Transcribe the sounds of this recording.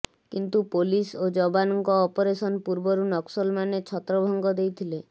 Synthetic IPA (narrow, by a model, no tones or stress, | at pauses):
kint̪upolisod͡ʒɔbanɔŋkɔːpɔɾesɔnpuɾbɔɾunɔksɔlmanet͡ʃʰɔt̪ɾɔbʱɔŋɡɔd̪ejt̪ʰile